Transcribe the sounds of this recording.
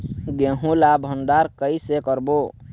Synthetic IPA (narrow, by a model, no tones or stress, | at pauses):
ɡeɦũlabʱənɖ̪aɾkəisekəɾbo